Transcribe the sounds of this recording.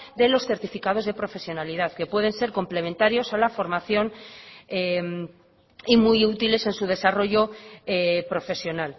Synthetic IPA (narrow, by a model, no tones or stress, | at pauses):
d̪e̞lo̞sθe̞ɾt̪ifikað̞o̞zð̞e̞pɾo̞fe̞sjo̞nalið̞aðke̞pwe̞ð̞e̞nse̞ɾko̞mple̞mẽnt̪aɾjo̞salafo̞ɾmaθjo̞nem | imujut̪ile̞se̞nsuð̞e̞saro̞ʝo̞epɾofe̞sjo̞nal